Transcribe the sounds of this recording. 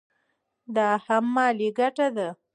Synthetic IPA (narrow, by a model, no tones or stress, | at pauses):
d̪ɑhamːɑliɡaʈad̪a